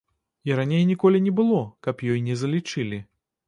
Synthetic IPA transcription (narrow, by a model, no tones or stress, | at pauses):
iɾanʲejnʲikɔlʲinʲɛbɨlˠɔkɐpjɔjnʲɛzɐlʲit͡ʂɨlʲi